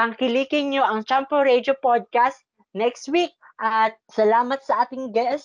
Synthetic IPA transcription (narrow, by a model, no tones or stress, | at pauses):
ɐŋkɪliːkɪnɲoʔɐŋt͡ʃampoɹɛd̪jopod̪̚kast̪̚ | nɛkst̪wik̚ | ʔɐt̪̚sɐlaːmɐt̪̚sɐʔaːt̪ɪŋɡɛst